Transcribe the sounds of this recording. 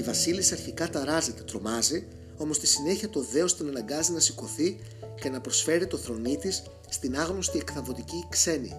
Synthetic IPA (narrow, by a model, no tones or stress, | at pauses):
ivɐsilisiɐɾçikɐt̪ɐɾɐze̞t̪e̞t̪ɾo̞mɐzi | o̞most̪isine̞çiɐt̪o̞ðe̞ost̪inɐnɐɡɐzinɐsiko̞θi | ce̞nɐpɾosfe̞ɾit̪o̞θɾo̞nit̪isː | t̪inɐɣno̞st̪ie̞kθɐvo̞t̪icikse̞nḭ